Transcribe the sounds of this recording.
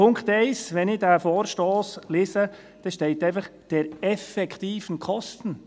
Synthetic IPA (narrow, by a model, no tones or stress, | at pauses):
pʊŋkχtɛɪsʋɛnɪdæfoːɾʃtoːsleːsə | d̥ɛʃtɛɪtɛɪfəχd̥ɛɾɛfɛkχt̪iːfənkʰɔstən̩